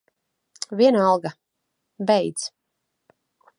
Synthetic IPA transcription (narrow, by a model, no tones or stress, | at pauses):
vʲiɛnɑlˠɡa | bɛjd̪z